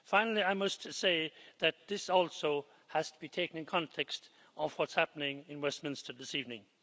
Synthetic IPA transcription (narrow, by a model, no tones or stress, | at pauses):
fãɪ̃nl̩ˠiaɪmʌstseɪðɨt̪̚ðɪsɔlˠsoʊ | hɨz̥tʰəbitʰeɪkɨ̃ŋɨ̃n̩kʰɑ̃ntʰɛkst | ʔʌv̥wʌtshæpənɪ̃ŋɨ̃nwɛsmɪ̃nstə˞ðɪsivnɪ̃ŋ